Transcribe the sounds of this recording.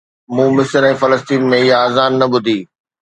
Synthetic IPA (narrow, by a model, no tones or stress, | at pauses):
mũːmɪsəɾɛ̃ːfɐləst̪iːnmẽɪɦaaːzaːnːɐbʊd̪ʱiː